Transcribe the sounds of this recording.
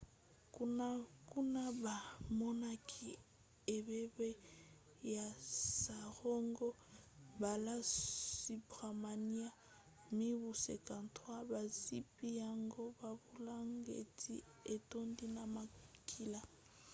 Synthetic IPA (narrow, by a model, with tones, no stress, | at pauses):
ku˦na˦ku˦na˦ba˨mɔ˦na˦kʰi˨ | e˨βɛ˦be˦ | ja˨sa˨ɣɔ˦ŋɡɔ˦ | ba˨la˦si˨bɣa˨ma˨ni˦a˦ | mi˦βu˨se˨ka˨ntʰwa˦ba˨si˦pi˦ja˦ŋɡo˦ba˨βu˦la˦ŋɡḛ˨tʰḭ˦ | e˨to˦ndi˦na˨ma˨kʰi˦la˨